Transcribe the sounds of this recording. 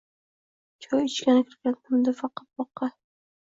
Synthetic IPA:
t͡ʃʰojɪt͡ʃkʲanɪkʲʰɪɾɡʲant̪ʰʊmd̪ɪfɑqɑ̥t̪̚bɒqːɑ

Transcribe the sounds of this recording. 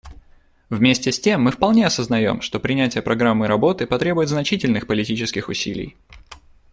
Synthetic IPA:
vmʲesʲtʲɪsʲtʲe̞mːɨfpɐlˠnʲe̞ɐsəznɐjo̞̰mʂt̪o̞pɾʲɪnʲætʲɪjəpɾɐɡɾamːɨɾɐbo̞t̪ɨpɐt̪ɾʲe̞bʊjɪt̪znɐt͡ɕitʲɪlʲnɨxpəlʲɪtʲit͡ɕɪskʲɪxʊsʲilʲɪ̰j

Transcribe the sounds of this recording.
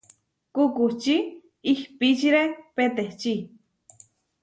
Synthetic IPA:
kukuht͡ʃi | ihpit͡ʃiɾepet̪eht͡ʃi

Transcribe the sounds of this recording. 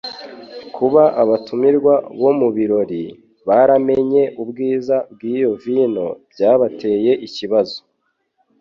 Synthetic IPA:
kʰuβaʔaβatumiɾɡwaβo̞muβiɾo̞ɾi | βaɾame̞ɲe̞ʔubɡiːzab̚ɡiːjo̞viːno̞bjaːβatʰe̞ːje̞ʔiciβazo̥

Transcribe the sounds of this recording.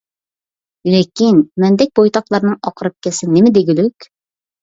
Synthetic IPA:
lekʲinmɛnd̪ɛk̚ʲbojt̪ɑqlˠɑɾnɨŋɑqʰɾɨp̚kʲɛsɪnɪmɪd̪eɡʲilykʲ

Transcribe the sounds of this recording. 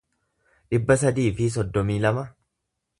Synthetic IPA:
ᶑɪbːɐsɐd̪iːfɪs̬ɔd̪ːɔmiːlɐmɐ

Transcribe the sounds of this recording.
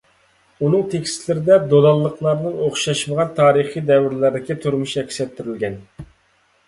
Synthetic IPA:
unɨŋt̪ʰekʲst̪lɪɾɪd̪ɛd̪olˠɑlˠːəqlˠɑɾnɨŋoχʃɑʃməʁɑnt̪ʰɑːɾɨχijd̪ɛwɪɾlæɾd̪ɪkʲit̪ʰuɾmuʃɛkʲsɛp̚t̪ʰːyɾylɡʲɛn

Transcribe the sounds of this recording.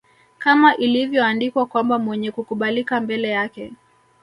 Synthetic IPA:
kamaʔilivjɔandikwakwambamwɛɲɛkukuɓalikambɛlɛjakɛ

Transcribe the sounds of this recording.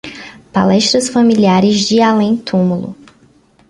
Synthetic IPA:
palɛʃt̪ɾɐsfamiliaɾɪzd͡ʒɪalẽj̃t̪ʰũmulʊ̰

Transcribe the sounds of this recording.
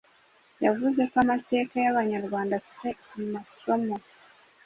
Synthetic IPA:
javuzekamate̞ːkajaβaɲaɾɡwaːndatu̥temassomo

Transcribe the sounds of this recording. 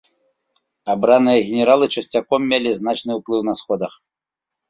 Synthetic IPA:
abɾanɨjɐɣʲɛnʲɛɾalˠɨt͡ʂɐsʲt͡sʲakɔmːʲelʲiznat͡ʂnɨwplˠɨwn̪ɐsxɔd̪ɐx

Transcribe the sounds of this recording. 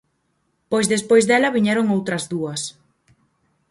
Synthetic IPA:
pojzðespojzðɛlɐβiɲɛɾoŋowt̪ɾɐzðuɐs

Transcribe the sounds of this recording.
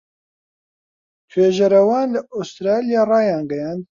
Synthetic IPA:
t̪ʰweːʒɐɾɐwaːnlɨʔɔst̪ɾaːlijaːrɑːjaːnɡɐjaːnd̪

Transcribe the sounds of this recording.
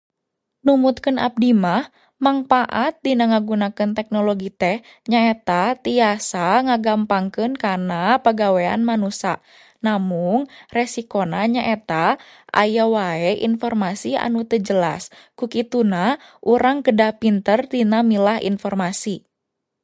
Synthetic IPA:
numut̪̚kənʔa̰p̚dimah | maŋfaʔat̪̚dinaŋaɡunakɨnt̪ɛk̚nɔlɔɡit̪ɛh | ɲaɛt̪at̪iasaŋaɡampaŋkɨnkanapəɡawea̰nmanusa | namuŋrɛsikonaɲaʔɛt̪a | ʔa̰jawaɛʔḭnfɔrmasia̰nut̪əd͡ʒəla̰s | kukit̪unahʔuɾaŋkədahpint̪ərt̪inamilahḭnfɔrmasi

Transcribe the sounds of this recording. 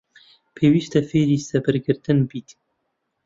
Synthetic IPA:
pʰeːwiːst̪ɛfeːɾiːsɛbɨɾɡɨɾt̪ɨnbiːt̪

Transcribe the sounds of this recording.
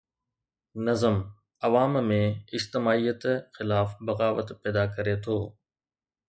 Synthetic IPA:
nɐzəm | ɐʋaːmmẽɪd͡ʒt̪ɪmaːijət̪xɪlaːfbɐɣaːʋət̪pɛːd̪akɐɾet̪ʰoː

